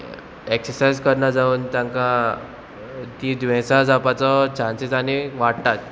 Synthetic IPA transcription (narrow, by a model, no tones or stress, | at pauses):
eksəɾsaid͡zkəɾɳad͡zauːnt̪jãŋka | t̪id̪ʋẽsad͡zapat͡sɔt͡ɕanset͡saniʋaɽt̪at̪̚